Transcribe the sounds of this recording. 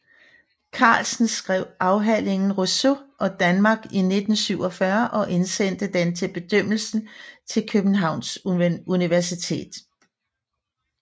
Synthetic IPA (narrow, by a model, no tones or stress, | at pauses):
kʰɑ̰̈ːlsn̩sɡ̥ʁɛʊ̰ɑ̈ʊɦæl̰e̝ŋn̩ʁosoʔɒ̽d̥ænmɑ̈ːɡ̥ine̝d̥n̩syʊ̰ɒfɶɐʔɒ̽ʔe̝nsen̰d̥əd̥ent͡sʰe̝lb̥e̝d̥øm̰l̩sn̩t͡sʰe̝lkʰøb̥n̩ɦɑ̈ʊ̰nsuniʋæɐsit͡sʰe̝̰ːd̥